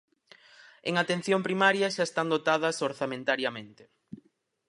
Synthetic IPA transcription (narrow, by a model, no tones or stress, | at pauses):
eŋat̪en̟θjompɾimaɾjɐʃaest̪and̪ot̪aðɐsoɾθamẽnt̪aɾjɐmẽnt̪ɪ̥